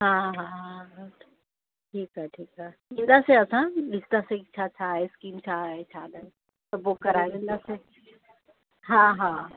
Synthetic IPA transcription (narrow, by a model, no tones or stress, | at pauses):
ɦãːɦã | ʈʰiːkɦaʈʰiːkɦaːɦĩːn̆d̪aːseɐsãlɪst̪asekt͡ɕʰaːt͡ɕʰaːɦeskiːmt͡ɕʰaɦet͡ɕʰaːɗ̪aɦe | t̪ɐbʊkːɐɾaed̪ẽːnd̪aːse | ɦãɦãː